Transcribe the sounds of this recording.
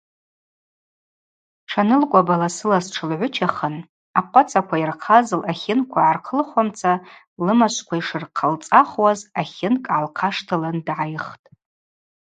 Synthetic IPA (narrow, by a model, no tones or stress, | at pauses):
ʈ͡ʂʰanɨlkʷʼabalasɨlasʈ͡ʂʰɨlʕʷʊt͡ʃʰaχən | aqʷʼat͡sʰʼakʷʰairqʰazɨlʔaχʲɪnkʷʰaʕːrqʰəlχʷamt͡sʰa | lɨmaʃʷkʷʰaiʂɨrqʰalt͡sʼaχwazaχʲɪnkʼʕalqʰaʂtʰalandʕajχtʼ